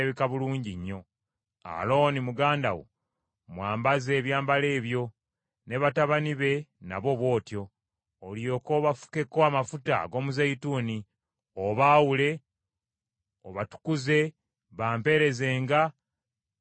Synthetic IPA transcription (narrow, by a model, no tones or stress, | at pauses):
βikaβuluːɲɟiɲːo̞ | a̰lo̞ːnimuɡaːndawo̰ | mwaːmbaze̞ːβjaːmbale̞ːβjo̞ | ne̞βataβaniβe̞na̰βo̞βwo̞ːtjo̞ː | ljo̞ko̞ːβafu̥ke̞koamafuta̰ɡo̞ːmuzajituːni | oβaːwule̞ | oβatu̥kuze̞ | βaːmpe̞ːɾe̞zeːŋɡa